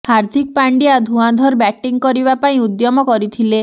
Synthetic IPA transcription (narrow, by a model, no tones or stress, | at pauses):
haɾt̪ʰik̚paɳɖiad̪ʱũãd̪ʱɔɾbɛʈiŋkɔɾibapaĩud̪jɔmɔkɔɾit̪ʰile